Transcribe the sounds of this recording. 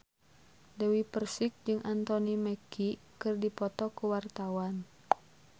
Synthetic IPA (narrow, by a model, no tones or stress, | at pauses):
dɛwipərsik̚d͡ʒɨŋʔant̪ɔniməki | kɨrdipɔt̪ɔkuwart̪awan